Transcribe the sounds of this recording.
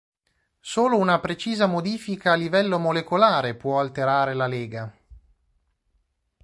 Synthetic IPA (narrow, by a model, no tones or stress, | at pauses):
soːlounapɾet͡ʃiːzamod̪iːfikaːlːivɛlːomolekolaːɾepwɔalt̪eɾaːɾelaleːɡa